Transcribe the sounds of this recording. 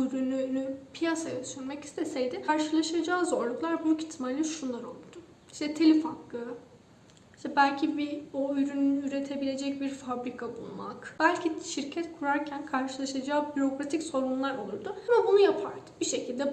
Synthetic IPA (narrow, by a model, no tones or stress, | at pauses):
yɾynynypʰijasajasyɾmɛci̥st̪ʰɛsɛjd̪ɪaɾʃɯlˠaʃad͡ʒaːzo̞ɾlˠuklˠaɾbuyci̥t̪ʰːimalʲːiʃunlˠaɾo̞lˠd̪̥ʊ | i̥ʃt̪ʰɛt̪ʰelʲifakːɯ | iʃt̪ʰɛbælʲcʰibioyɾynynyyɾe̞t̪ʰe̞bilʲe̞d͡ʒɛc̚biɾfabɾikʰabṵlˠma̰kb̥ælʲcʰiʃiɾcʰɛt̪kʰuɾaɾcʰænkʰaɾʃɯlˠaʃad͡ʒaːbyɾo̞kɾat̪ʰicso̞ɾunlˠaɾo̞̰lˠuɾd̪ʊamabunujapʰaɾd̪ɯ̥biʃe̞cʰilʲd̪ɛ